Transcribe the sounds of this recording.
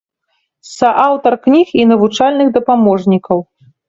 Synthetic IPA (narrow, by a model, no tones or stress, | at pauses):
sɐʔawt̪ɐrknʲixinɐvut͡ʂalʲnɨɣd̪ɐpamɔʐnʲikɐw